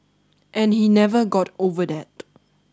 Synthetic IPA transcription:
ʔɛ̃nhinɛvəɡɔtovədɛt̚

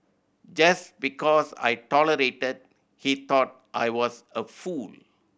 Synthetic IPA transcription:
d͡ʒasbikɔsa̰jʈɔləɾeʈəd̚ | hit̪ɔt̚ | ʔa̰jwɔsəful

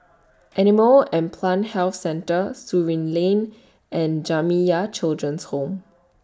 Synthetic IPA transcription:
ʔɛniməlɛ̃npʰlãnhɛlfsɛ̃ntəsuɹĩnlẽn | ɛ̃nd͡ʒamijat͡ʃildɹə̃nshõm

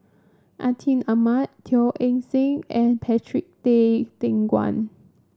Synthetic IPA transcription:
ʔa̰tʰĩnamat̚tʰiʔɛ̃ŋsĩŋɛ̃npʰɛtʰɹik̚tetɛ̃ŋɡwã̰n

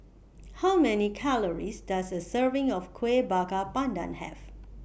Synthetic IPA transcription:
hawmɛnikʰaləɹisdasəsəvɪ̃ŋɔfkʰwebakapãndã̰nhɛ̰v

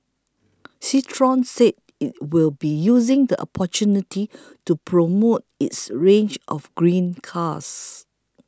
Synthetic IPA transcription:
sitʰɹɔ̃nsed̚ | it̚wilbijuzɪ̃ŋdəʔɔ̰pʰɔt͡ʃunitʰi | tupʰɹomot̚itsɹẽnd͡ʒʔɔ̰fɡɹĩnkʰas

